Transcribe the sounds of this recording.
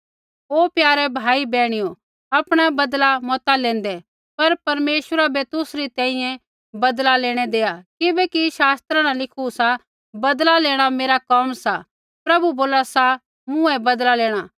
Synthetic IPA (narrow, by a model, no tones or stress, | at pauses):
oːpjaːɾɛbʱaːibɛːɽ̃ijo | ɐpɽ̃ɛbɐd̪lamɔːt̪alẽːnd̪ɛ | pɐɾpɐɾmeːʃəɾabɛt̪ʊsɾit̪ɛ̃ːĩjɛ̃ | bɐd̪laleːɽ̃ɛd̪eːakɪbɛkiʃaːst̪ɾãnãlɪkʰusa | bɐd̪laleːɽ̃ameːɾakɔmsa | pɾɐbuboːlasa | mʊ̃ɛbɐd̪laleːɽ̃a